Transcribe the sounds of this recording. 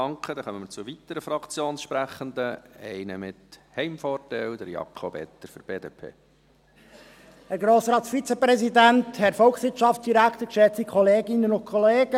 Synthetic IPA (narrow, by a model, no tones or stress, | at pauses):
ɑŋkχədɛχœməmɪt͡sʊvit̪əɾəfɾɑkt͡sjoːnsʃpɾæχənd̪əɛɪnəmɪt̪hɛɪmfɔːtɛld̪əɾjɑ̰kʰobɛ̰t̪ːəɾfʏɾb̥eːdeːpʰḛː | hɛɾɡɾoːsɾɑːtsfit͡sepɾɛsidænthɛɾfɔlksʋɪtʃɑftt͡sd̥iɾækt̪əɾkʃɛt͡sikʰɔleːɡɪnːənʊnkʰɔleːɡə